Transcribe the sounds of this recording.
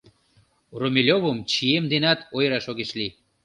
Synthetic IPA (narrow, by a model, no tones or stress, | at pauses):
romʲelʲoβəmt͡ɕiemd̪enɑt̪ojɾɑʃoɣeʃli